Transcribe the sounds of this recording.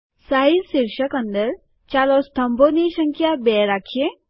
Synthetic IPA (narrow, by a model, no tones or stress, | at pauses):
saɦilsiɾʃəkɐ̃nd̪əɾ | t͡ʃaːlost̪ʰɐmboniʃəŋkʰjabɛɾakʰie